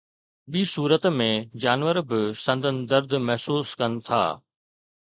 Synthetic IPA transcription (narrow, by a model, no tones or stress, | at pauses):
ɓiːsuːɾət̪mẽd͡ʑaːnʋəɾbɪsɐ̃nd̪ənɪ̆d̪əɾd̪mɛɦsuːskɐnɪ̆t̪ʰa̰ː